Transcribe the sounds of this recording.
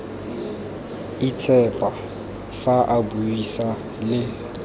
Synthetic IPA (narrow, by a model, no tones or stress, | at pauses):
it͡sʰʼɛpʼa | faʔabuisa | lɪ